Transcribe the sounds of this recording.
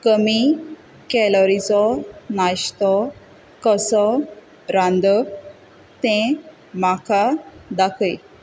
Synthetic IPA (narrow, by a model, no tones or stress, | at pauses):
kəmi | kɛlɔɾit͡sɔnaɕt̪ɔ | kɔsɔ | ɾãnd̪ə | t̪ɛ̃ | makad̪akʰəj